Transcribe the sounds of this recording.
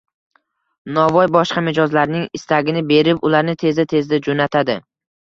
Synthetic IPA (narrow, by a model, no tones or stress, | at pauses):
nɒvɒjbɒʃqɑmɪd͡ʒɒzlaɾnɪŋɪst̪ʰaɡʲɪnɪbe̞ɾɪpʊlaɾnɪt̪ʰe̞zɪt̪ʰe̞zd̪ad͡ʒonat̪ʰad̪ɪ